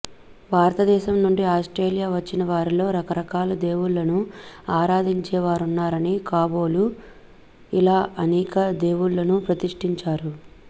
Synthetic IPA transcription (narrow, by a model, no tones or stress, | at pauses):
ʋaːɾɐt̪ɐd̪ɛːʃɐmnuɳɖiaːsʈɾe̞ːlijaːʋɐt͡ʃːinɐʋaːɾilo̞ːɾɐkɐɾɐkaːlɐd̪e̞ːwuɭːɐnuaːɾaːd̪iɲt͡ʃɛːʋaːɾunːaːɾɐnikaːbo̞ːlu | ilaːʔɐnɛːkɐd̪e̞ːwuɭːɐnupɾɐt̪iʂʈiɲt͡ʃaːɾu